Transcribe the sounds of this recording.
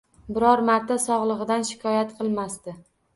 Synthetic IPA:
bɪɾɒɾmaɾt̪ʰasɒʁlˠɨʁɨd̪anʃɪ̥kʰɒjat̪qʰɨlˠmast̪ɪ

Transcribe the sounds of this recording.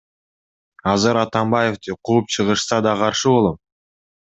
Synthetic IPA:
ɑzɯɾɑt̪ɑmbɑjeft̪iqʰuːp̚t͡ʃʰɯʁɯʃsɑd̪ɑqʰɑɾʃɯbo̞lˠom

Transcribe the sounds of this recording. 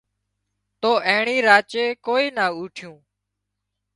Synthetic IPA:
t̪oːʔẽːɳiːɾaːt͡ʃeːkoːiːnaːuːʈʰjũː

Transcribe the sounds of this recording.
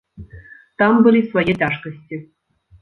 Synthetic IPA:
t̪ɑmbɨlʲisvɔjet̪ʲaʂkə̆sʲtʲĭ

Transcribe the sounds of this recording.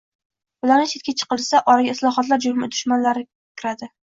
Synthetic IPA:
bʊlaɾnɪt͡ʃʰet̪̚kʲat͡ʃʰɨ̥qɨlˠsaʔɒɾaɡʲaɪslˠɒχɒt̪laɾd͡ʒʊhmɪd̪ʊʃmanlaɾɪ | kʲʰɪɾad̪ɪ

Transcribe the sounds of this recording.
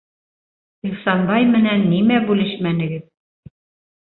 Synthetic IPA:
ilˠsɑnbɑjmɘ̆nænːimæbʉlɘʃmænɘ̆ɡɘð

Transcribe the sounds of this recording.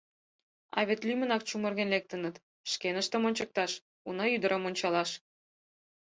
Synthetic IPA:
ɑ̰βet̪lʲymʲə̆nɑk̚t͡ɕumɤ̆rɣenlek̚t̪ə̆nə̆t̪ | ʃkenə̆ʃt̪ə̆monʲt͡ɕə̆k̚t̪ɑʃ | unɑyd̪ə̆ɾʔəmonʲt͡ɕɑlɑʃ

